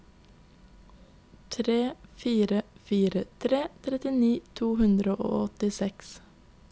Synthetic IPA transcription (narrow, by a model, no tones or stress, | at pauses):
t̪ʰɾeːfiːɾəfiːɾət̪ʰɾeːt̪ʰɾɛt̪ɪniːt̪ʰuːhʉnd̪ɾəʔo̰ːɔt̪ɪsɛks